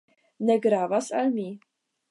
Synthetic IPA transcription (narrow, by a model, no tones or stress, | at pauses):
nɛɡɾaːvasalmi